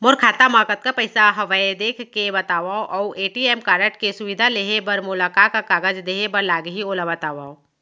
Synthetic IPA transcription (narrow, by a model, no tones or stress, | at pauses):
mʊɾkʰaːt̪amaːkət̪̚kapɐɪsaɦɐʋaːed̪eːkʰkebɐt̪aːʋaːõʔɔːʔeːʈieːmkaːɾəʈkesʊʋɪd̪ʱaleːɦebɐɾmʊlaːkakakaːɡəd͡ʒd̪eːɦebɐɾlaːɡɦioːlabɐt̪aːʋaːõ